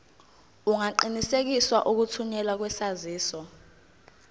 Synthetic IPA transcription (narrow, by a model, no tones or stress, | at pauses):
uŋaǃinisek̬iswaʔuk̬utʰuɲɛlwak̬wɛsaziːsɔ